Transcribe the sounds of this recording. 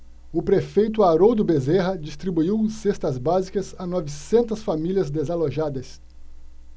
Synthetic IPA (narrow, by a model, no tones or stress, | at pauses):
ʊpɾefejt̪ʊaɾod̪ʊbezeɦɐd͡ʒist̪ɾibuiwsest̪ɐzbazikɐzanɔvisẽnt̪ɐsfamiliɐzd̪ezaloʒad̪ɐs